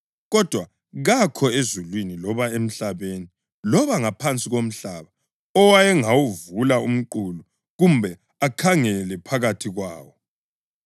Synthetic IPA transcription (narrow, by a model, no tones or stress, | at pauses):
ɣɔd̥ʱwa | ɣakʰɔezulwinilɔβaem̩ɬaβeni | lɔβaŋapʰant͡sʼiɣom̩ɬaβa | ɔwajɛŋawuvulaum̩ǃulu | ɣumbʱɛ | akʰaŋɛlɛpʰaɣatʰiɣwaːwɔ